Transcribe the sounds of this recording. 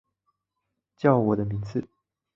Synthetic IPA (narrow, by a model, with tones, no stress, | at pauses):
t͡ɕjɑ˥˩ʊwɔ˨˩d̪ə˦mi˧˥ŋt͡sɹ̩˥˩